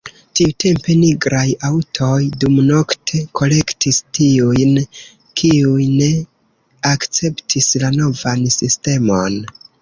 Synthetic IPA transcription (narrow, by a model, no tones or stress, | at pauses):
tiute̞mpe̞niɡɾajawtʰo̞jdumno̞ktʰe̞kʰo̞le̞ktʰistiujn | kʰiujne̞ | akt͡se̞ptʰislano̞vansiste̞mo̞n